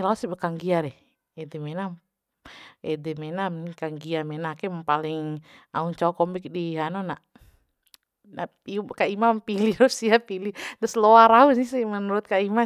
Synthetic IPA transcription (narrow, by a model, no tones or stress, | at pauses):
lausibəkaŋɡiaɾɛh | ɛdɛmɛna | ɛdɛmɛnamkaŋɡiamɛnakɛmpalɪŋa̰uɲt͡ʃakɔmbɪk̚diɦanonaʔ | na | kaimampilihɾusiapilit̪ʊsloaɾausisimənuɾʊt̪̚kaima